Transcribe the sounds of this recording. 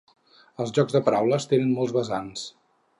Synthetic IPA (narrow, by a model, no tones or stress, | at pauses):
əlˠzʒɔɡzðəpəɾawləst̪enənmɔlˠzβəzans